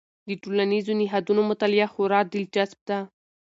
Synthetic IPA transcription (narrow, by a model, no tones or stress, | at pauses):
d̪əʈolanizonɪɦɑd̪unomʊt̪alɪjaxʊɾɑɾ̚d̪ɪld͡ʒasb̚d̪a